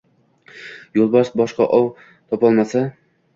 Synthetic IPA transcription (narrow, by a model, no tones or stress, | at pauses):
jolˠbɒʃbɒʃqɑ̰ʔɒw | t̪ʰɒpɒlˠmasa